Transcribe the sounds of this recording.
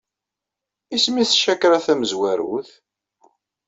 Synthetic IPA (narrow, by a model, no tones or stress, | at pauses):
ismiθʃækːɾaθæməzwæɾṵθ